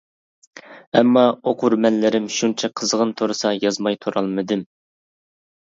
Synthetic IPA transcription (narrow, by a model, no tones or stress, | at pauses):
ɛmːɑoqʰʊɾmɛnlɪɾɪmʃunt͡ʃʰɛqʰəzʁənt̪ʰoɾɨsɑjɑzmɑjt̪ʰuɾɑlˠmɨd̪ɨm